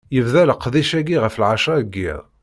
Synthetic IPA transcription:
jəvðæləqːðiʃæɡiʁəfəlʕaʃɑɡːḭð

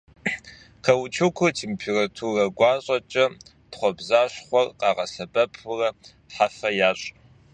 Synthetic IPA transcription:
qʰɐwt͡ʃʰɨkʷʰʊtʰeːmpʰeːratʰurɐɡʷɑːɕʼɐt͡ʃʼɐ | tχʷɔbzaːɕχʷɔrqɑːʁɐsɐbɐpʰʊrɐ | ħafɐjaːɕʼ

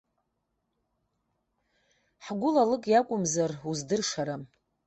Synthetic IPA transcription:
ħɡʷʊlalɨkʼjakʷʼʊmzaruzdɨrʂaɾam

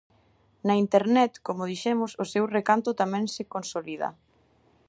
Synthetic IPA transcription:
nɐint̪eɾnɛt̪komʊð̞iʃɛmʊsʊsewrekant̪ʊt̪amɛ̃ŋsɪkonsoliða̰

